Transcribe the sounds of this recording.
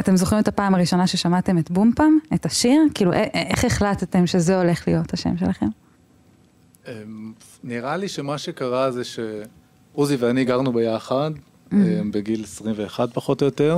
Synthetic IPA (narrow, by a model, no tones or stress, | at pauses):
ate̞mzoχʁime̞tapaːmaʁiʃo̞naʃe̞ʃamate̞metbumpametaʃiʁkiːluʔeʔeχeχlatte̞mʃezeo̞le̞χlijo̞thaʃḛmʃe̞laχe̞̰m | em | niʁaliʃemaʃekaʁazeʃe | uziveaniːɡaʁnubejaχad | embeɡilesʁimveːχad̚paχo̞tojo̞teʁ